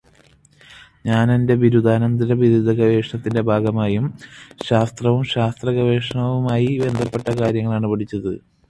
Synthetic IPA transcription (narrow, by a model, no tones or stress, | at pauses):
ɲaːnende̞ʋiɾud̪aːnɐnd̪ɐɾɐʋiɾud̪ʱɐɡɐʋe̞ːʂɐɳɐt̪ːinde̞bʱaːɡɐmaːjumɕaːst̪rɐʋumɕaːst̪rɐɣɐʋe̞ːʂɐɳɐʋumaːjibe̞nd̪ʱɐpːe̞ʈːɐkaːɾjɐŋːɐɭaːɳɨpɐʈʰit͡ɕːɐðɨ